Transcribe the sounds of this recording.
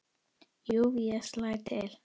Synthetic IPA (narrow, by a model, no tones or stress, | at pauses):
joviaslatʰɛl